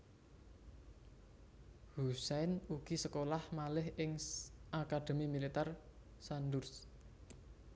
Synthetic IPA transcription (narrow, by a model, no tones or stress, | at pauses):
husɛjnuɡ̥i̤səkolahmalɪhɪŋʔakad̪̥e̤mimilit̪ar | sandʊrs